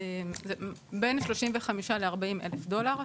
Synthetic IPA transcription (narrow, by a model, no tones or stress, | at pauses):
ezebenʃlo̞ʃimveχamiʃale̞aʁbaimʔḛlefdo̞laʁ